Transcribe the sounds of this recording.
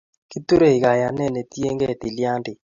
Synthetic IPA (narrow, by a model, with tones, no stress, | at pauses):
ki˦t̪u˦ɾe˦˨i˨ɡa˨ja˨nɛ˦˨nɛ˨tje˦ŋɡɛ˦˨t̪i˨lja˦ndɪ˨